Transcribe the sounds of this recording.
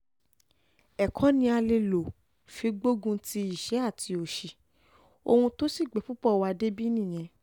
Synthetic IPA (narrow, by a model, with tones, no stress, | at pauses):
ɛ˨kʰɔ̃˨˦nĩ˧a˧le˧lo˨ | fi˧ɡ͡bo˦ɡũ˧ti˧i˦˨ʃɛ˨˦a˦˨tʰi˧o˨ʃi˨ | o̰˧hũ˧to˦si˦˨ɡ͡bɛ˨˦pu˦pɔ˦˨wa˧de˦bi˦nĩ˦˨j̃ɛ̃˧˦